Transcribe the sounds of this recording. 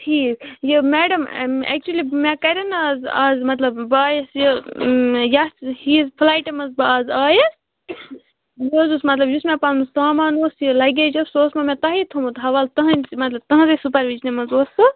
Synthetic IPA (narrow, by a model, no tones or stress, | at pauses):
ʈʰiːkjəmɛːɖɐmɛ̰ːk̚t͡ʃuɐlimẽkɐɾʲɐnaːza̰ːzmɐt̪lɐbːaːjəsjə | jashiːzpʰlaːjʈemɐzbaːzaːjəs | joːzusmɐt̪lɐbjusmẽpanmusaːmaːnoːsjəlɐɡed͡ʒɐsoːsmɐmẽt̪ɐɦit̪ʰomũt̪ɐɦɐʋaːlt̪ɐɦɐ̃mɐt̪lɐb̚t̪ɐɦɐ̃zesup̬ɐɾʋid͡ʒnemɐzoːsɨ